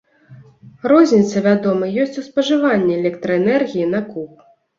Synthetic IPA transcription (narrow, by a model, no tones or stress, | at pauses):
rɔzʲnʲit̪sɐvʲad̪ɔmɐjɔsʲt͡sʲuspɐʐɨvanʲːɛɛlʲɛkt̪ɾɐɛnɛrɣʲijinɐkup̚